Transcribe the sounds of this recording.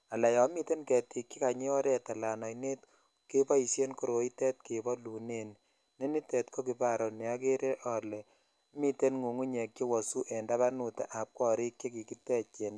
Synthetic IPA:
a˨la˨jɔ˨˦mi˦te˦nkɛ˨ti˨kːi˦ka˨ɲe˦ɔ˦ɾɛ˨ta˨la˨nɔ˨ine˦t̚ | ke˦pa˦i˨sje˦nko˦ɾo˨i˦tɛ˦t̚ke˨bɔ˦lu˨ne˨n | ne˦ni˦tɛ˨tko˦ki˨pa˦˨ɾo˨nɛ˨a˦ke˦ɾe˦ʔɔ˨le˨ | mi˦te˦nŋu˨ŋu˦ɲe˨kji˦wɔ˨su˦ʔɛ˨nda˦βa˦nu˨ta̰˨ʔa˨p̚kɔ˦ɾi˦kje˦ki˨ki˦tɛ˦t͡ʃe˨n

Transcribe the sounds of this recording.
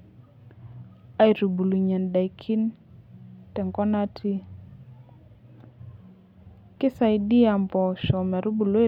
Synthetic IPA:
a˦i˨ɾu˨bu˨lu˨ɲa˨nda˨i˨kʰi˦n | tɛ˨ŋɡɔ˦na˦tʰi˦ | kɪ˦sa˨i˨di˦a˨mbɔ˨ʃɔ˨mɛ˨ɾu˦bu˨lo˦e˦

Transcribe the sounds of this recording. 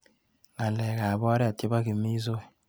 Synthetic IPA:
ŋa˨nlɛ˨ka˨βɔ˦ɾɛ˦a˨te˦ba˦ki˨mi˦s̬o˦˨

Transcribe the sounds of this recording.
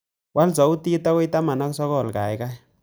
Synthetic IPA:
wʔa˦lsɔ˨u˦ti˦ta˦ki˦ta˦ma˨na˦ksɔ˦kɔ˦˨lka˨jka˦j

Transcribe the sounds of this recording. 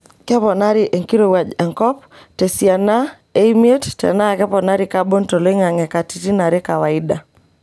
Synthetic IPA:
kɛ˦pɔ˨na˦ɾiʔe˨ŋki˦ɾo˦wa˨d͡ʒɛ˨ŋkɔ˦p̚ | te˨si˨a˨na˦ | e˦i˦m˦e˦ttɛ̰˨na˦˨kɛ˦pɔ˨na˦ɾi˨ka˦bo˦nto˨li˦ŋa˨ŋɛ˨ka˨ti˨ti˦na˨ɾe˦ka˨wa˨i˦da˨

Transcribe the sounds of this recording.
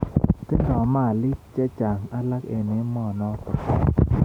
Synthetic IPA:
te˦ɾɔ˨˦ma˦˨li˦t̚t͡ʃɛ˦t͡ʃa˨ŋa˦la˦kḛ˧˨ne˦mɔ˦˨nɔ˦tɔ˨

